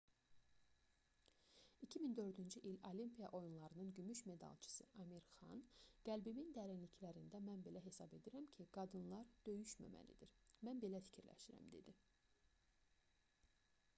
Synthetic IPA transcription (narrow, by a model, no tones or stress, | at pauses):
icʰimind̪ø̞ɾd̪ynd͡ʒyʔilolimpʰijɑʔo̞junlˠɑɾɯnɯnɟymyʃme̞d̪ɑ̰lˠt͡ʃʰɯ̥sɯʔɑmiɾχɑ̰nɡ̥ælbimind̪æɾinlicʰlæɾind̪æmænbe̞læɦe̞sɑbe̞d̪iɾæmcʰiɡ̥ɑd̪ɯnlˠɑɾd̪̥ø̞jyʃmæ̰mæ̰lḭd̪iɾmænbe̞læfi̥cʰiɾlæ̰ʃiɾæ̰md̪e̞̰d̪i